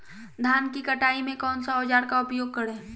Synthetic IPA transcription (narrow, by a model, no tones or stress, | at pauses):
d̪ʱaːnkikəʈaːimẽkɔːnsaɔːd͡ʒaːɾkaʊpjoːɡ̚kəɽẽː